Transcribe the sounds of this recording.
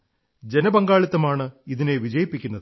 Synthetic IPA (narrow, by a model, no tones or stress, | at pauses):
d͡ʑe̞nɐbɐŋɡaːɭit̪ːɐmaːɳɨiðine̞ʋid͡ʑɐjɐpːikʲːunːɐðɨ